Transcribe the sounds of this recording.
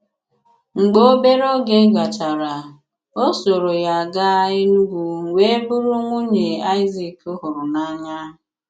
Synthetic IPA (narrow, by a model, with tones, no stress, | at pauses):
ŋ͡m̩˨ɡ͡bo˦o˦be˦ɾo˦ɡe˦ɡa˨t͡ʃa˨ɾa˨ | o˦so˨ɾo˨ja˨a˨ɡa˦a˦ɪ˦nu˦ɡʷu˨wʷe˦bʊ˦ɾʊ˦ŋʷu˦ɲe˨a˦ɪ˦zi˨kʊ˦ɦʊ˨ɾʊ˨na˦ɲa˦ɦʊ˨